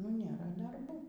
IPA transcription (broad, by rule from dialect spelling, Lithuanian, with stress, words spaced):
nʊ ˈnʲeːrɐ dɐrˈbuː